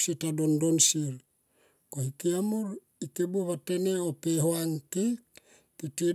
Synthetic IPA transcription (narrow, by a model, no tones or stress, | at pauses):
sitadondonsil | kohikiamuɾ | ikebuβate̞neopeɦoaŋki | piti